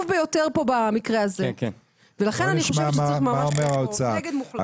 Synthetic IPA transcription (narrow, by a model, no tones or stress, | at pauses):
vbejo̞teʁpo̞bamikʁeazek | velaχe̞nanniχoʃvaamamaaomeʁaot͡saaɡedmuχl